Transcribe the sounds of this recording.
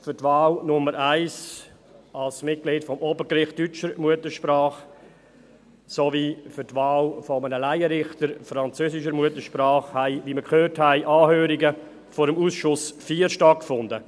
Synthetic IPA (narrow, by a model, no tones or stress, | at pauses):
fʏɾtvɑːlnʊməɾʔæɪs | ɑlsmɪt̚klɪːtfɔmobəɾkɾɪχtyt͡ʃəɾmuətəʃpɾɑːχ | soviːfʏɾtvɑːlfɔmənəlæɪəɾɪχtəɾfɾɑnt͡søːsɪʃ̬əɾmuətəʃpɾaːχhæɪviməkʰhøːɾthæɪʔɑːhøːɾɪɡə | fɔːɾəmuːsʃʊsfiːəɾʃtɑt̚kfʊndə